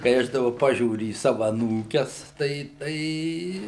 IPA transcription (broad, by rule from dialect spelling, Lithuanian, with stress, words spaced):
kɐɪ ˈɐʃ dɐˈbɐ ˈpɑːʒʲuːrʲʊ iː ˈsɑːʋɐ ɐˈnuːkʲɛs ˈtɐɪ ˈtɐɪ